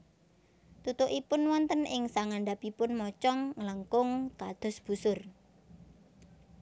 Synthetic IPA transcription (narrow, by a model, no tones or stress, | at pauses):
t̪ut̪ʊʔipʊnwɔnt̪ənɪŋsaŋaɳɖapipʊnmɔt͡ʃɔŋŋələŋkʊŋkad̪̥ɔ̤sb̥ṳsʊr